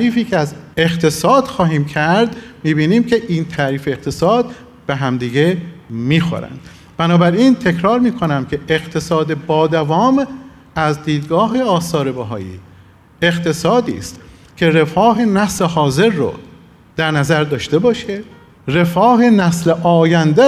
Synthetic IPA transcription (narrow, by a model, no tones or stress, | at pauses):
æɾiːfiːcʰeæzeqt̪ʰe̞sɒːd̪̥xɒːɦiːmcʰæɾd̪miːbiːniːmcʰe̞ʔiːnt̪ʰæːɾiːfeːqt̪ʰe̞sɒːd̪̚ | b̥eɦæmd̪iːɡemiːxo̰ɾæ̰nd̪̥ | b̥ænɒːbæɾiːnt̪ʰe̞cʰɾɒːɾmiːkʰonæmcʰe̞eɣt̪ʰe̞sɒːd̪ebɒːd̪ævɒːm | æzd̪iːd̪ɡɒːɦe̞ɒːsɒːɾebæɦɒ̰ːjḭː | e̞qt̪ʰe̞sɒːd̪ḭːst̪ | cʰe̞ɾe̞fɒːɦenæslehɒːze̞ɾːo̰ | d̪̥æɾnæzæɾd̪ɒːʃt̪e̞bɒːʃe | ɾe̞fɒːɦe̞næsleʔɒːjænd̪e